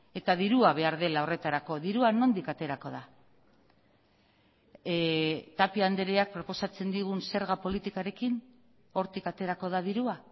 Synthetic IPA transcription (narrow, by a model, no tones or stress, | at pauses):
e̞t̪aðiɾuaβ̞e̞aɾðe̞lao̞re̞t̪aɾako̞ðiɾuano̞nd̪ikat̪e̞ɾako̞ða | t̪apiand̪eɾeak̚pɾo̞po̞sat͡se̞nd̪iɣ̞unse̞ɾɣapo̞lit̪ikaɾe̞kin | o̞ɾt̪ikat̪e̞ɾako̞ð̞aðiɾua